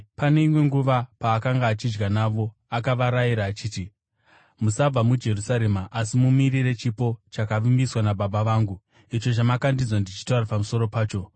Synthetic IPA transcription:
pane̞imwe̞ŋɡuʋapaːkaŋɡaːt͡ʃid͡ʒɡanaːʋo̞ | akaʋaɾajiɾaːt͡ʃiːti | musab͡vamud͡ʒe̞rusaɾe̞maʔasimumirire̞t͡ʃipo̞t͡ʃakaʋimbiswanabaɓaʋaːŋɡu | it͡ʃo̞t͡ʃamakandid͡zwandit͡ʃi̥taurapamuso̞ɾo̞paːt͡ʃo̞

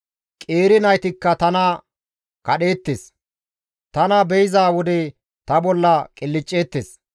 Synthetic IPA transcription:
kʼe̞ːɾɪnɐjt̪ɪkːɐt̪ɐnɐ | kɐɗe̞ːt̪ːes | t̪ɐnɐbɛjɪzaːwɔd̪ɛ | t̪ɐbɔlːɐkʼɪlːɪt͡ʃʼːe̞ːt̪ːes

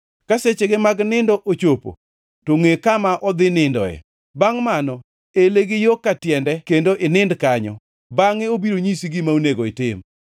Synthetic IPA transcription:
kaset͡ʃeɡɪmaɡnɪndɔʔot͡ʃopo̰ | toŋekamaʔɔd̪ɪnɪndɔ̰ɛ̰ | baŋmanɔ | eleɡɪjokːatjɛndɛkendoʔɪnɪndkaɲɔ̰ | baŋɪobiɾoɲisiɡɪmauneɡoɪtɪm

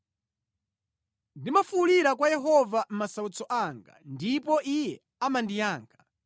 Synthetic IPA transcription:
ndimafuliɾak̬wajɛɦɔvam̩masaut͡sɔʔaŋɡa̰ndipɔʔijɛ | amandijaːŋɡa

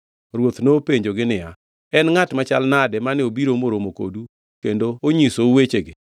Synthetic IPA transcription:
ɾwot̪nopeɲd͡ʒoɡɪnɪa | ɛnŋatmat͡ʃalnadɛmanɪobiɾomoɾomoko̰du | kendooɲisouwet͡ʃeɡɪ

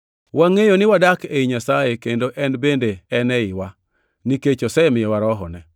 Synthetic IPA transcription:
waŋejonɪwadakeiɲasajekendoʔɛnbendeɛnɛɪwa | niket͡ʃosɛmɪjɛwaɾɔɦɔnɛ

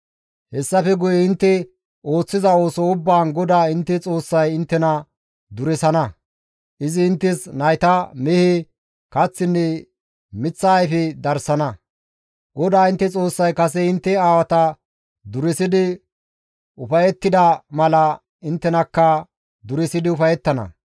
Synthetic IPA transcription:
hɛsːɐfɛɡʊjɛɪnt̪ːɛ | ʔo̞ːt͡sːɪzɐo̞ːsɔʊbːaːnɡɔd̪aːɪnt̪ːɛt͡sʼo̞ːsːɐjɪnt̪ːɛnɐ | d̪ʊɾɛsɐnɐ | ʔɪzɪːnt̪ːɪsnɐjt̪ɐmɛhɪ | kɐt͡sːɪnːɛ | mɪt͡sːɐːjfɛd̪ɐɾsɐnɐ | ɡɔd̪aːɪnt̪ːɛt͡sʼo̞ːsːɐjkɐs̬ɛɪnt̪ːɛaːwɐt̪ɐ | d̪ʊɾɪsɪd̪ɪ | ʊfɐjɛt̪ːɪd̪ɐmɐlɐ | ɪnt̪ːɛnɐkːɐ | d̪ʊɾɪsɪd̪ɪʊfɐjɛt̪ːɐnɐ̰

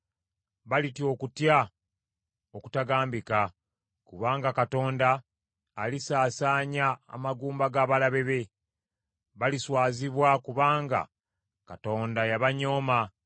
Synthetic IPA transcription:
βalitio̞kutja | oku̥taɡaːmbika | kuβaːŋɡakato̞ːndaː | lisaːsaːɲa̰ːmaɡuːmbaɡaːβalaβe̞βe̞ | βaliswaːziβwakuβaːŋɡa̰ | kato̞ːndajaβaɲo̞ːma

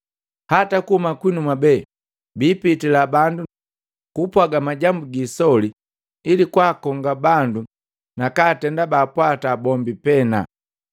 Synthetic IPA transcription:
hatakuhumakwinumabɛ | biːpitilabandu | kupwaɡamaɟambuɡisɔli | ilikwaːkɔŋɡabandu | nakaːtɛndabaːpwatabɔmbipɛna̰

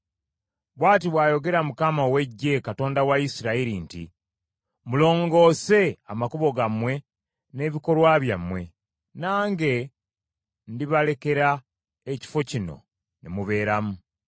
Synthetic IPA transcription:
βwaːt̬iβwaːjo̞ɡe̞ɾamukamaowe̞ɟːe̞kato̞ːndawaisiɾaiɾintḭ | mulo̞ːŋɡo̞ːse̞amakuβo̞ɡamwe̞ | ne̞βiko̞lwaβjamwe̞ | naːŋɡe̞ | ndiβale̞ke̞ɾa | eci̥fo̞cino̞̰ | nemuβe̞ːɾamu

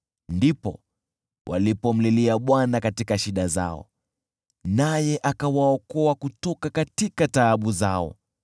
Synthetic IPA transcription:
ndipɔ̰ | wʔa̰lipɔm̩liliaɓwanakatikaʃiɗaza̰ɔ̰ | najɛʔakawaɔkɔakutɔkakatikataːɓuzaɔ̰

